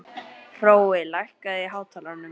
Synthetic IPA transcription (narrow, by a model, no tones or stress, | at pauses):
r̥oːwɪlajhkaðɪɦaːwt̪ʰaːlaɾnʏ